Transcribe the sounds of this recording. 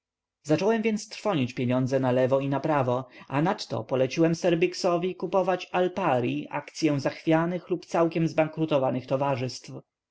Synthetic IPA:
zat͡ʂɔwɛmvʲjɛnt̪st̪ɾfɔɲit͡ɕpʲjeɲɔnd̪zɛnalɛvɔinapɾavɔʔanat̪ːɔ̰pɔlɛt͡ɕiwɛmsɛɾbʲiksɔvʲikupɔvat͡ɕalpaɾiʔa̰kt̪sʲjɛ̃zaxfʲjanɘxlupt̪sawkʲɛmzbaŋkɾut̪ɔvanɘxt̪ɔvaʐɘst̪f

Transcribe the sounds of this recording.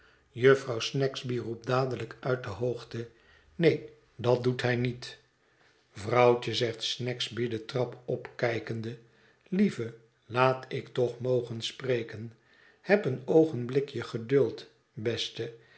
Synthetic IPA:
jɵfrɑwsnɛkzbirup̚daːdələkœɥt̚dəɦoχtə | nej | dɑt̚dutɦɛjnit | vrɑwt͡ʃəzɛχtsnɛkzbidətrɑpɔpkɛjkəndə | livə | laːtɪktɔχmowχənsprejkən | hɛpənowχənblɪkjəχədɵlˠt | bɛstə

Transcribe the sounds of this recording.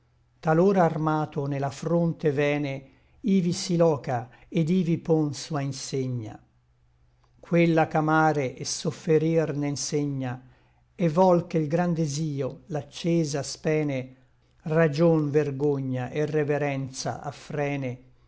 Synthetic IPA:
t̪aloːɾaːrmaːt̪onelafɾont̪evɛːne | iːvisilɔːka | ed̪iːvipɔnsuainseɲːa̰ | kʰwelːakamaːɾeʔesofːeɾirnenseɲːa | evɔlkeilɡɾand̪eziːolat͡ʃːɛːzaspɛːne | rad͡ʒonverɡoɲːaʔerːeveɾɛnt̪sa̰ʔa̰fːɾɛːne

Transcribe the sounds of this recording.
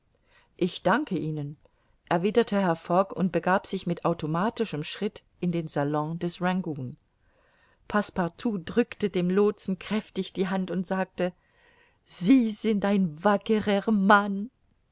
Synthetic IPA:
ʔɪçd̥aŋkəʔiːnən | ʔɛɐviːdɐtʰəɦɛɐfɔkʊnt̚b̥əɡaːpz̥ɪçmɪtʔaʊtʰomaːtɪʃəmʃʁ̥ɪtʔɪndeːnzalɔ̃dɛsʁaŋɡuːn | pʰaspaʁtʰuːdʁʏktədeːmloːt͡sn̩kʁ̥ɛftɪçd̥iːɦantʊntz̥aːk̚tə | z̥iːzɪntʔaɪnvakəʁəman

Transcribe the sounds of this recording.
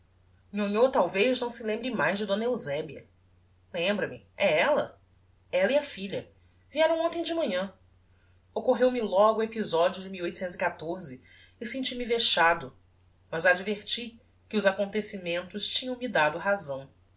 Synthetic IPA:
ɲoɲot̪awvejznɐ̃w̃sɪlẽmbɾɪmajzd͡ʒɪd̪õnɐewzɛbiɐ̰ | lẽmbɾɐmɪ | ɛɛlɐ | ɛlɐiɐfiʎɐ | viɛɾɐ̃w̃õt̪ẽj̃d͡ʒɪmɐ̃ɲɐ̃ | okoɦewmɪlɔɡʊuepizɔd͡ʒiʊd͡ʒɪmiwojt̪ʊsẽt̪zikat̪oɾzɪː | sẽnt͡ʃimɪveʃad̪ʊ | mɐzad͡ʒveɾt͡ʃi | kɪʊzakõnt̪esimẽnt̪ʊst͡ʃĩɲɐ̃w̃mid̪ad̪ʊɦazɐ̃w̃

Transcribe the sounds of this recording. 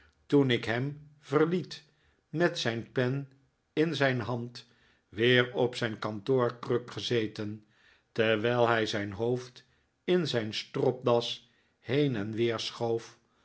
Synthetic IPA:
tunɪkɦɛmv̥əɹlit | mɛtsɛjnpɛn | ɪnzɛjnɦɑnt | ʋɪːɹɔpsɛjnkɑntoːɹkrøkχəzejtən | tɛɹʋɛjlˠɦɛjzɛjnɦowft | ɪnzɛjnstrɔp̚dɑs | hejnɛnʋɪːɹsχowf

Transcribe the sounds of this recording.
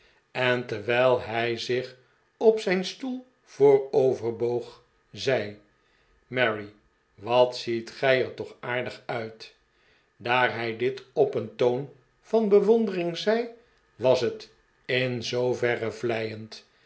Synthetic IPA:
ɛntɛɹʋɛjlˠɦɛjzɪχ | ɔpsɛjnstulˠ | v̥oːɹowvəɹbowχ | zɛj | mɛɹi | ʋɑtsitχɛjəɹtɔχaːɹdəχœɥt | daːɹɦɛjdɪtɔpəntown | v̥ɑnbəʋɔndərɪŋzɛj | ʋɑsɦət | ɪnzowvɛrəvlɛjənt

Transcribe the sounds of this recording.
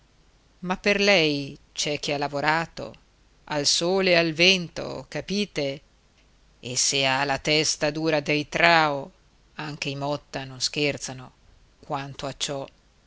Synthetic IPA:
mapːerlɛjt͡ʃɛk̟ːealavoɾaːt̪o̰ | alsoːlealvɛnt̪o̰kapiːt̪e | esealat̪ɛst̪ad̪uːɾad̪ejt̪ɾaːo | aŋk̟eimɔt̪ːanonsk̟ert̪sano | kwant̪oat͡ʃːɔ

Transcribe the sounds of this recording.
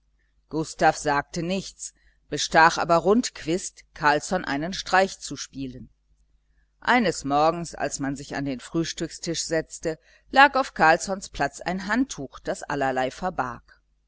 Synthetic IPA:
ɡ̥ʊstaːfz̥aːk̚tənɪçt͡s | b̥əʃtaːxʔa̰ːbɐʁʊntkv̥ɪstkʰaɐlsɔnʔa̰ɪnənʃtʁ̥aɪçt͡suʃpiːlən | ʔa̰ɪnəsmɔɐɡŋ̩sa̰lsmanzɪça̰ndeːnfʁ̥yːʃtʏkstʰɪʃz̥ɛt͡stə | laːkaʊfkʰaɐlsɔnspl̥at͡sa̰ɪnɦantʰːuːxd̥asʔa̰lɐlaɪfɛɐba̰ɐk

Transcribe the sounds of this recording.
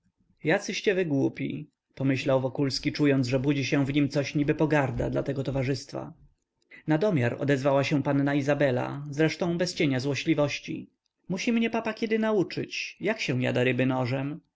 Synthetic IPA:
jat̪sɘɕt͡ɕɛvɘɡwupʲḭ | pɔmɘɕlawvɔkulskʲit͡ʂujɔnd̪ʐɛbud͡ʑiɕɛ̃vɲimt̪sɔɕɲibɘpɔɡaɾd̪a̰d̪la̰t̪ɛɡɔt̪ɔvaʐɘst̪fa̰ | nad̪ɔmʲjaɾɔ̰d̪ɛzvawaɕɛ̃panːaizabɛla̰zɾɛʂt̪ɔ̃w̃bɛst͡ɕeɲazwɔɕlʲivɔɕt͡ɕḭ | muɕimɲɛpapakʲɛd̪ɘnaut͡ʂɘ̰t͡ɕjakɕɛ̃w̃ja̰d̪aɾɘbɘnɔʐɛm

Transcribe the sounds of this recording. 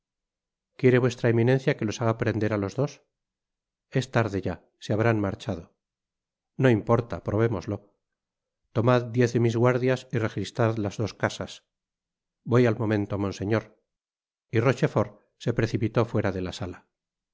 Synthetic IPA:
kje̞ɾe̞βwe̞st̪ɾaemĩne̞n̟θjake̞lo̞saɣ̞apɾe̞nd̪e̞ɾalo̞zðo̞s | e̞st̪aɾðe̞ʝa | seaβ̞ɾanmaɾt͡ʃað̞o̞ | no̞impo̞ɾt̪a̰pɾoβ̞e̞mo̞zlo̞ | t̪o̞maðd̪je̞θðemizɣwaɾðjasire̞xist̪ɾaðlazðo̞skasas | bo̞jalmo̞mẽ̞nt̪omõ̞nse̞ɲo̞ɾ | iro̞t͡ʃe̞fo̞ɾ | se̞pɾe̞θipit̪o̞fwe̞ɾaðe̞lasala

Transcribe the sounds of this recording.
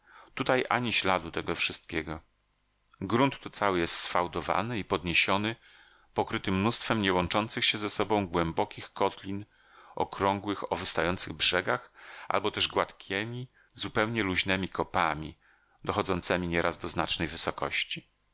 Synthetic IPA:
t̪ut̪ajʔa̰ɲiɕlad̪ut̪ɛɡɔfʂɘst̪̚kʲɛɡɔ | ɡɾunt̪ːut̪sawɘjɛst̪sfawd̪ɔva̰nɘipɔd̪ɲeɕɔnɘ | pɔkɾɘt̪ɘmnust̪fɛmɲɛwɔnt͡ʂɔnt̪sɘxɕɛzɛsɔbɔ̃w̃ɡwɛmbɔkʲixkɔt̪lʲin | ʔɔkɾɔŋɡwɘxɔvɘst̪ajɔnt̪sɘɣbʐɛɡaxa̰lbɔt̪ɛʐɡwat̪kʲʰɛmʲi | zupɛwɲɛluʑnɛmʲikɔpamʲi | d̪ɔxɔd̪zɔnt̪sɛmʲiɲɛɾʔazd̪ɔzna̰t͡ʂnɛjvɘsɔkɔɕt͡ɕi

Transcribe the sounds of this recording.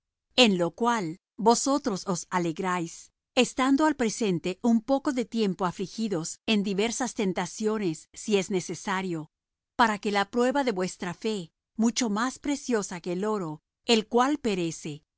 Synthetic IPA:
e̞nlo̞kwal | bo̞so̞t̪ɾo̞so̞sale̞ɣɾajs | est̪and̪oalpɾe̞se̞nt̪e̞ʔumpo̞ko̞ðe̞t̪je̞mpo̞aflixiðo̞se̞nd̪iβe̞ɾsast̪e̞nt̪asjo̞ne̞sːie̞zne̞se̞saɾjo̞ | paɾake̞lapɾwe̞βaðe̞βwe̞st̪ɾafe̞ | mut͡ʃo̞maspɾe̞sjo̞sake̞lo̞ɾo̞ | elkwalpe̞ɾe̞se̞

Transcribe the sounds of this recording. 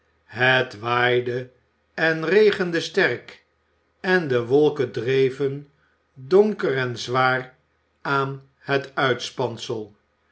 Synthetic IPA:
ɦətʋaːjdə | ɛnrejχəndəstɛɹk | ɛndəʋɔlˠkədrejvən | dɔŋkərɛnzʋaːr | aːn | hətœɥtspɑnsəlˠ

